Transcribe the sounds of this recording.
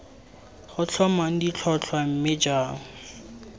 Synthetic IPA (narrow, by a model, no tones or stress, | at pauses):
χʊt͡ɬʰɔmaŋ̩dit͡ɬʰɔt͡ɬʰwam̩mɪd͡ʒaːŋ̩